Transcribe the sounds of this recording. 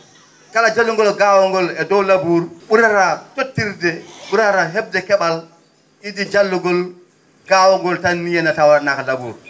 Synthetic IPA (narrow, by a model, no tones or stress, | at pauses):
kalad͡ʒalːuŋɡɔlɡaːwɔŋɡɔlɛdɔwlabuɾɓuɾaɾatotːiɾdɛɓuɾaɾaɦɛb̚dɛkɛɓal | idid͡ʒalːuɡɔl | ɡ̥aːwɔŋɡɔltanːijɛnatawɾanakalabṵːɾ